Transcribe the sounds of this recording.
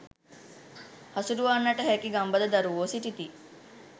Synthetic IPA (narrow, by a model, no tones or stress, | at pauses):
hɐsuɾuʋaːnːɐʈəɦɛkiɡɐmbɐd̪ɐd̪ɐɾuʋoːsiʈit̪i